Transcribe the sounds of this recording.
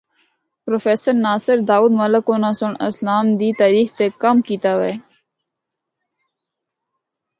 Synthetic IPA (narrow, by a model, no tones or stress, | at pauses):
pɾoːfeːsəɾnaːsəɾd̪aːuːd̪mələkoːnãːsʊɳə̰slaːmd̪iːt̪aːɾiːxt̪eːkəmkiːt̪aːʋeː